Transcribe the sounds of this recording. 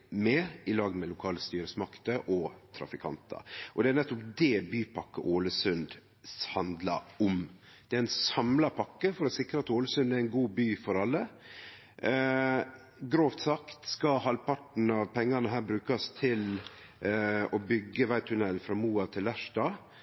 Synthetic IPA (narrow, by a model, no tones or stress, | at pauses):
mɛɪlɑːɡmɛlʊkʰɑːləst̪yːɾəsmɑkt̪əʔɔt̪ʰɾɑ̰fɪkʰɑ̰nt̪ə̰ʔɔd̪ɛænɛt̪ːʊpd̪ɛbyːpʰɑkːəʔoːləsʉnd̪ | shɑnd̪lɑ̰ʊmd̪̥ɛæɾɛnsɑmlɑpʰɑkːəfɔɾɔsɪkɾəɑt̪oːləsʉnd̪æɾɪnɡuːbyːfɔɾɑlːə | ɡɾoːft̪sɑkt̪skɑhɑlpɑʈn̩ɑʋpʰɛŋːɑnəɦæːɾbɾʉːkɑst̪ʰɪl | ɔbʏɡːəʋæɪt̪ʰʉnɛlfɾɑːmuːɑt̪ʰɪlæʂɖɑː